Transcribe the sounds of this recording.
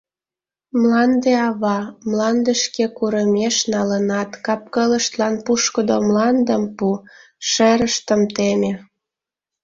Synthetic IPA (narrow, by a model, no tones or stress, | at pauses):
mlɑnd̪eɑβɑmlɑnd̪əʃkekuɾəmeʃnɑlənɑt̪kɑp̚kələʃt̪lɑnpuʃkəd̪omlɑnd̪əmpu | ʃeɾəʃt̪əmt̪emʲe